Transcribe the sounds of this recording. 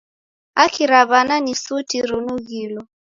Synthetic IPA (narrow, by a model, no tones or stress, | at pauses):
akiɾaβananisutiɾunuɣilɔ